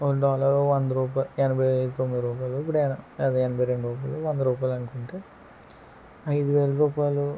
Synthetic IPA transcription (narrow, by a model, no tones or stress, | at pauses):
onɖaːlɐɾoːʋɐnd̪ɐɾuːp̬aenɐbʱɐjɐjd̪it̪omːid̪ɾuːp̬aːjloip̬ːuɽenɐeːd̪eenɐbʱɐjɾeɳɖɾuːp̬ajloːʋɐnd̪ɐɾuːpaːjlɐnukuɳʈeː | ɐjd̪uʋeːlɐɾuːpaːjlu